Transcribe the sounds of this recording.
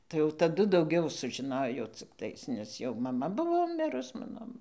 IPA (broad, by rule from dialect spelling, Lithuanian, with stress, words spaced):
tɐɪ jɛʊ tɐˈdʊ dɐʊˈɡʲɛʊ sʊʒʲɪˈnoːjoː t͡sʲɪkˈtɐɪs nʲɛs jɛʊ mɐˈmɐ ˈbʊʋoː ˈmʲɪrʊs ˈmɑːnoː